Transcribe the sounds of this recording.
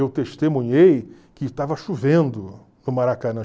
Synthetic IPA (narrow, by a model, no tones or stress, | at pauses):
ewt̪eʃt̪emũɲej | kɪt̪avɐʃuvẽnd̪ʊ | nʊmaɾakɐnɐ̃